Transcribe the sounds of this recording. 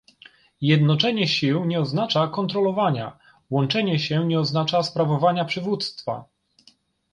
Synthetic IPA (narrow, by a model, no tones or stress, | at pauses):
jɛd̪nɔt͡ʂɛɲɛɕiwɲɛɔznat͡ʂakɔnt̪ɾɔlɔvaɲa̰ | wɔnt͡ʂɛɲɛɕɛɲɛɔznat͡ʂaspɾavɔvaɲapʂɘvut̪st̪fa̰